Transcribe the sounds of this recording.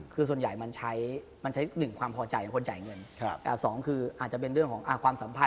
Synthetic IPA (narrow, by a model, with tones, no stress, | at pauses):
kʰɯː˧su˨˩ənjaː˨˩jma˧nt͡ɕʰa˦˥j | ma˧nt͡ɕʰa˦˥jnɯ˨˩ŋkʰwaː˧mpʰɔː˧t͡ɕa˧jko˧nt͡ɕa̰˨˩jŋɤ˧nʰ˧ʔaː˧˩sɔː˩˦ŋkʰɯː˧ʔaː˨˩t̪̚t͡ɕa˨˩pe˧nɾɯ˥˩əŋkʰɔː˩˦ŋʔa˧˩kwaː˧msa˩˦mpʰa˧